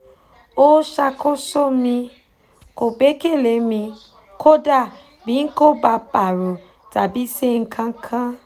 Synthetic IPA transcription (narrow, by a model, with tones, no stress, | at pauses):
o˦ʃa˧ko˦so˦mĩ˧ | ko˨be˨˦ke˦˨le˨˦mĩ˧ | kʰo˦da˦˨ | bi˨˦n̩˦ko˦ba˧pa˨ɾo˨ | ta˨bi˨˦se˦ŋ̩˧kʰã˦kʰã˦